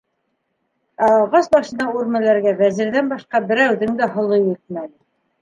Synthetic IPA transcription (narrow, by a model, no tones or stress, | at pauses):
æʁɑsbɑʃɤ̆nd̪ɑuɾmælæɾɡævæzɘ̆ɾðænbɑʃqɑbɘ̆ɾæwðɘ̆ŋd̪æɦŏlˠɤjɘt̪̚mænɘ